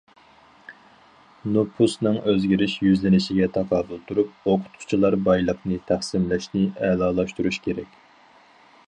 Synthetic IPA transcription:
nopʰusnɨŋʔøzɡʲiɾɪʃjyzlɪnɪʃiɡʲɛt̪ʰɑqʰɑːbulˠt̪ʰuɾup̚oqʰʊ̥t̪qʰʊ̥t͡ʃʰilˠɑɾbɑjlˠəqnɨt̪ʰæχsɪmlɛʃnɪɛlˠɑːlˠɑʃt̪uɾuʃkʲʰeɾɛkʲ

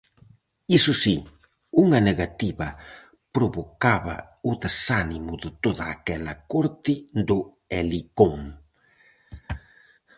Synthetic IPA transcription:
isʊsi | uŋɐneɣat̪iβɐ | pɾoβokaβɐ̰ | ʊðesanimʊðɪt̪oðɐːkɛlɐkoɾt̪ɪd̪ʊ | elikoŋ

